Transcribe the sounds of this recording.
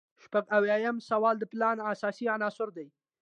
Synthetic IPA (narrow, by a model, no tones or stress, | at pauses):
ʃpaɡawjɑjamsawɑld̪əplɑnasɑsianɑsʊɾd̪aj